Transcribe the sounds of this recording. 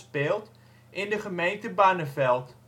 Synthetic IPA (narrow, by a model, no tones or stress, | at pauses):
speːlˠt | ʔɪndəχəmejntəbaːnəfɛlˠt